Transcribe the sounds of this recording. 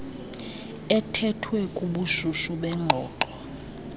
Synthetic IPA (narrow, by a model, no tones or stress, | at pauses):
ɛtʰɛtʰwɛkʼuɓuʃuʃuɓɛŋ͡ǃʱɔːǃɔ